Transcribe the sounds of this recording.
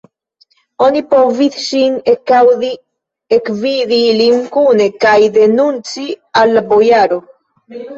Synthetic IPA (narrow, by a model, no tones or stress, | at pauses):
onipoviθʃinekawði | ekviðiliŋkunekajd̪enunt͡sialbojaɾo